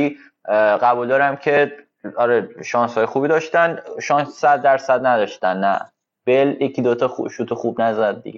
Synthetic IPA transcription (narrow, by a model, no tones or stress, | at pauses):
i | ɢæbuld̪ɒːɾæmcʰe̞ | ɒɾeʃɒːnshɒːjexuːbiːd̪ɒʃt̪ænʃɒnsːæd̪̚ːæɾsæd̪næd̪ɒʃt̪ænːæ̰ | b̥eljecʰid̪ot̪ʰɒuʃut̪ʰoxubnæzæd̪̚ːḭɡe